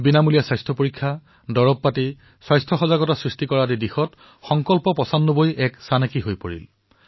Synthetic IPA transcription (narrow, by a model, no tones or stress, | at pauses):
binamulijaswajstʰɹɔpoɹikʰːa | dɔɹɔpːati | swajstʰɹɔxɔzaɡɔtasɹistikɔɹadidixɔt | xɔŋkɔlpɔpɔsanːobojʔɛksanekiɦojpoɹḭl